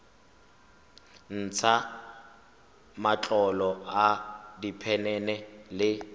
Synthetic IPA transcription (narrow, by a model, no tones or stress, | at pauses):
n̩t͡sʰa | mat͡ɬʼɔlɔadipʰɛnɛnɛlɪ